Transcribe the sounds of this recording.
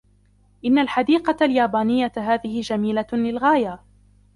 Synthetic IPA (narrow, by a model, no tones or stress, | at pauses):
ʔɪnːalħad̪iːqɑljaːbaːnɪjːaɦaːðɪhɪd͡ʒamiːlalɪlɣaːja